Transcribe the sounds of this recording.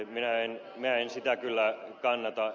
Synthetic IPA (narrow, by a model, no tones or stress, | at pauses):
minæen | minæensit̪ækylːækɑnːɑt̪ɑ